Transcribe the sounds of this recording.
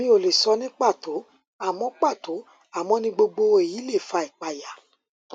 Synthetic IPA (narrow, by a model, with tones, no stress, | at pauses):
mĩ˦o˨le˨sɔ˧nĩ˦k͡pa˦˨to˨˦ | a˦˨mɔ̃˨˧k͡pa˦˨to˨˦ | a˦˨mɔ̃˧nĩ˧ɡ͡bo˧ɡ͡bo˧e˨ji˨˦le˦˨fa˧i˨k͡pa˨ja˨